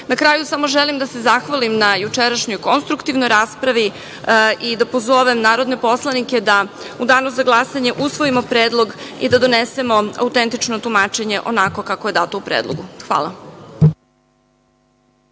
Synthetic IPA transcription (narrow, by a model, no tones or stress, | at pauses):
nakɾaːjusamo̞ʒelimd̪ase̞zaxʋalimnajut͡ʃeɾaʃɲojko̞nst̪ɾukt̪iʋnojɾaːspɾaʋi | ʔid̪apozo̞ʋe̞mnaːɾo̞d̪ne̞po̞slˠanike̞d̪a | ud̪aːnoszaɡlˠasaɲe̞ʔusʋo̞imo̞pɾeːd̪lˠo̞ɡḭd̪ad̪o̞nese̞mo̞a̰ut̪ent̪it͡ʃnot̪umaːt͡ʃe̞ɲeʔo̞̰nako̞kakoje̞d̪aːt̪oupɾeːd̪lˠo̰ɡuxʋa̰ːlˠa̰